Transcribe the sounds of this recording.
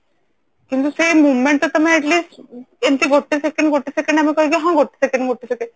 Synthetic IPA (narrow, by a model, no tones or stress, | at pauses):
kint̪usemuʋmẽɳʈ̚t̪ot̪ɐmẽɛʈliːsʈent̪iɡoʈːisekẽɳɖɡoʈːisekẽɳɖɐmĩkɔɦikiɦãɡoʈːi̥sekẽɳɖɡoʈːisekeɳɖ